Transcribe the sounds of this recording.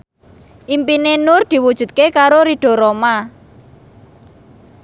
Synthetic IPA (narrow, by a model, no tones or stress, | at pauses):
ʔimpinenʊrd̪̥i̤wud̥ʒ̥ṳt̪̚kekaɾoɾiɖ̥o̤ɾoma